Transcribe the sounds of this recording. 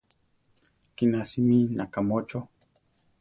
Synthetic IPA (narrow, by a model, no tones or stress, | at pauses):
kinasiminakamot͡ʃo